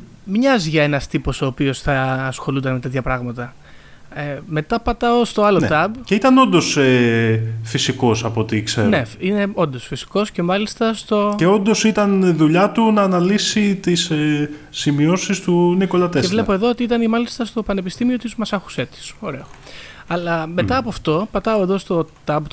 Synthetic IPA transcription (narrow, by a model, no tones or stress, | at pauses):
mɲɐzʝɐe̞nɐst̪iposo̞ːpio̞sθɐːsxo̞lund̪ɐnmet̪e̞t̪çɐpɾɐɣmɐt̪ɐ | eme̞t̪ɐpɐt̪ɐost̪o̞ɐlo̞t̪ɐbceit̪ɐno̞nd̪o̞se | fisiko̞sɐpo̞t̪ikseɾne̞ine̞o̞nd̪o̞sfisi̥ko̞sce̞mɐlist̪ɐst̪o̞eo̞nd̪o̞sit̪ɐnðuʎɐt̪unɐːnɐlisit̪isesimio̞sist̪uniko̞lɐt̪esevle̞po̞e̞ðo̞ot̪iit̪ɐnimɐlist̪ɐst̪o̞pɐne̞pist̪imio̞t̪izmɐsɐxu̥se̞t̪i̥so̞ɾe̞o | ɐlɐmet̪ɐːpoɐft̪o̞pɐt̪ɐoe̞ðo̞st̪o̞t̪ɐb